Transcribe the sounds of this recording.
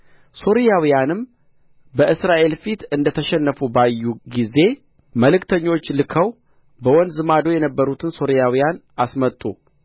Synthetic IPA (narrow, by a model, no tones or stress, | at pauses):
so̞ɾijawijanɨm | bəʔɨsɾaʔe̞lfit̪ɨnd̪ət̪ʰəʃɛnːəfubajːuɡize̞ | məlɨkt̪ʰəɲːo̞t͡ʃːlɨkʰəw | bəwɔnd̪zɨmad̪o̞jɛnəbːəɾut̪ʰɨnso̞ɾijawijan | asmət̪ʼːu